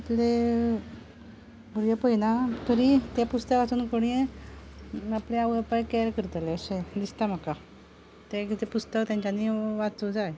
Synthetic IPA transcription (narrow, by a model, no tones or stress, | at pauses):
it̪le | bʱuɽjepəjnat̪ʰəɾit̪epust̪əkʋat͡suːnkoɽ̃ie | apleaʋəpajkɛɾkəɾt̪aleəsẽd̪ist̪am̤aka | t̪ekit̪epust̪əkt̪jãɲt͡ɕaniʋat͡sud͡zaje